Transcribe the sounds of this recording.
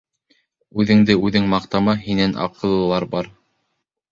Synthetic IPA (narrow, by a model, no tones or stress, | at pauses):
ʉðɘ̆ŋd̪ɘʉðɘŋmɑqt̪ɑmɑhinænʔɑ̰qɤ̆lˠɤ̆lˠɑɾbɑɾ